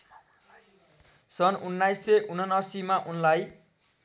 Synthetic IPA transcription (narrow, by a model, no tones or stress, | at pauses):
sʌnunːajseʔunʌnːʌsimaʔunlaj